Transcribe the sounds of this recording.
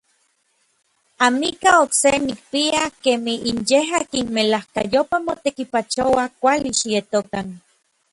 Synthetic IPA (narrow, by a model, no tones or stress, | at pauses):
amikaoksenik̚piakemihinjeɦakinmelahka̰jopamot̪ekipat͡ʃowakʷaliʃijet̪okan